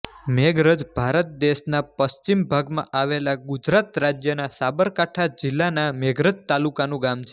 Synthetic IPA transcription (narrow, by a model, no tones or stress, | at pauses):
meɡɾəd͡ʒbʱaɾət̪̚d̪eʃnapəst͡ʃimbʱaɡmã̰ʔaʋelaɡʊd͡ʒɾat̪ɾad͡ʒjənasabəɾkaʈʰad͡ʒɪlːanameɡɾəd͡ʒt̪alukanũɡamt͡ʃʰe